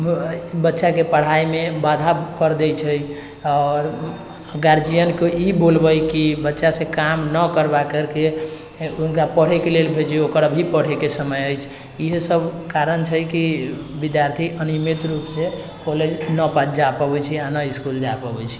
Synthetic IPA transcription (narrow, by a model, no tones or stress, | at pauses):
bətːʃakepəɽ̤aimebad̪ʱakəɾd̪ɛjt͡ʃʰəj | ɔɾ | ɡaɾd͡ʒijənkeibolbəjkibətːʃasẽkamnəkəɾbakəɾke | unkapəɽ̤ekelelbʱet͡ʃʰeokəɾəbʱipəɽ̤ekesəməjəjt͡ʃʰ | iɦesəbʱkaɾənt͡ʃʰəkibid̪jaɾt̪ʰiʔənimet̪ɾupse | kɔled͡ʒnəpad͡ʒapəbɛt͡ʃʰianəiskuld͡ʒapəbɛt͡ʃʰi̥